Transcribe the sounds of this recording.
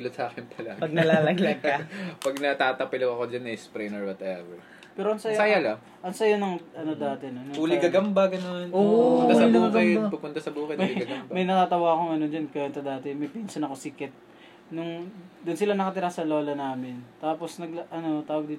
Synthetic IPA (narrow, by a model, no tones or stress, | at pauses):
lɐt̪sɐʔaːkɪnpʰɐlaːɡpɐɡnɐlaːlɐɡlaɡpɐɡ̚nɐt̪aːt̪ɐpɪlokɐkod͡ʒɐnɛspɾɛnɛɹwɔt̪ʔɛvɛɹ | pɛːɾoʔɐnsɐjɐjalɐ | ʔɐnsɐjonɐŋʔɐnod̪aːt̪ɛnonuːlɪɡɐɡɐmbɐɡɐnonoʊnɐsɐbuːkɛpɐpʊnt̪ɐsɐbuːkɛɐɡɐɐbmɐjnɐt̪aːt̪ɐwaːɐkoŋɐnond͡ʒɐnkɐjonsɐd̪aːt̪ɛmɐjpiːnsɐnɐkosɪkɛt̪̚ | nʊŋd̪ʊnsɪlanɐkɐt̪ɪɾasɐlo̞ːlɐnaːmɪnt̪aːpo̞snɐɡ̚ʔɐno̞t̪aːwɐɡd̪iːt̪